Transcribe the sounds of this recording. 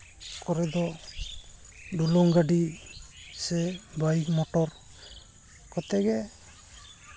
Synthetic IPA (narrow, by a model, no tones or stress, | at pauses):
kɔɾɛd̪ɔ | ɖulɔŋɡaɖi | sɛbajik̚mɔʈɔɾ | kɔt̪ɛɡɛ